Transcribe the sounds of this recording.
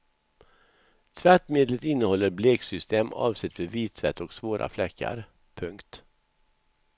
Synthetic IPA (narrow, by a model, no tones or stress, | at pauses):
t̪ʰvæʈmeːd̪lət̪ɪnːəhɔlːəɾbleːksʏst̪eːmɑ̰ːvsɛt̪ːveviːt̪ʰːvɛt̪ːɔksvoːɾʔa̰flɛkʰːa̰ɾ | pʰɵŋkt̪